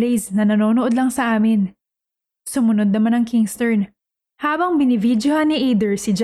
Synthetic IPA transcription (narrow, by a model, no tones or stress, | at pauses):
ejsnɐnɐno̞ːnoʔo̞d̪lɐŋsɐʔaːmɪn | sʊmʊnod̪̚nɐmanɐŋkɪŋst̪ɛɹn | haːbɐŋbɪnɪvid̪johɐnɪʔejd̪ɛɹsɪd͡ʒ